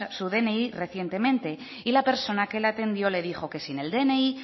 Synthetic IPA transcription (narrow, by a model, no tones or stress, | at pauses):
suðe̞ne̞ire̞θjent̪e̞mẽ̞nt̪e̞ | ilape̞ɾso̞nake̞lat̪e̞nd̪jo̞le̞ðixo̞ke̞sine̞ld̪e̞nei